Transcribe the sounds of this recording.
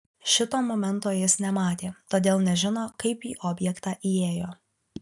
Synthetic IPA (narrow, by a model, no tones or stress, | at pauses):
ʃʲɪt̪oːmoːmʲɛnˑt̪oːjɪsnʲɛmɑːt̪ʲeːt̪oːd̪ʲeːlˠnʲɛʒʲɪnoːkɐɪpiːʔɔːbʲjɛkt̪ɑːʔieːjoː